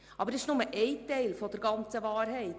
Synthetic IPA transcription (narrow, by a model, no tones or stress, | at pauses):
ʔɑbəɾɪʃnʊməʔɛɪtɛɪlfɔdəɾɡɑnt͡səvɑːɾɦɛɪt